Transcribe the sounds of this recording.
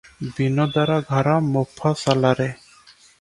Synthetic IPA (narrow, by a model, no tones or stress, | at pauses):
binɔd̪aɾaɡʱaɾamɔpʰːasalaɾe